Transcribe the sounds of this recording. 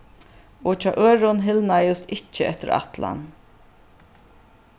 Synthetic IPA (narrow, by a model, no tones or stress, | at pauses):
ɔt͡ʃʰɔːʔøːɾʊnɦɪlnajʊst̪ɪht͡ʃːəɛt̪ɪɾa̰t̪la̰n